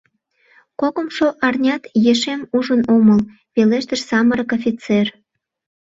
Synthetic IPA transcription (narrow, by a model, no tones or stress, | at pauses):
kokəmʃoʔɑrnʲɑt̪jeʃemuʒənoməl | peleʃt̪əʃsɑməɾəkofʲit͡ser